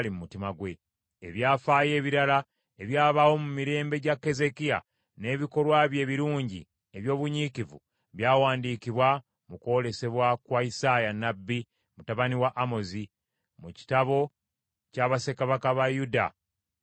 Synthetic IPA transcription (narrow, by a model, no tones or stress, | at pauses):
limumutimaɡwe̞ | eβjaːfaːje̞ːβiɾala | e̞βjaːβawo̞mumiɾe̞ːmbe̞ɟakːe̞ze̞kija̰ | ne̞ːβiko̞lwaβje̞ːβiɾuːɲɟḭ | eβjo̞ːβuɲikivṵ | βjaːwaːndiːkiβwa | muko̞le̞se̞βwakwaisaːjanːabːi | mutaβaniwaʔːmo̞zi | muci̥taβo̞ | caːβase̞kaβakaβajuda̰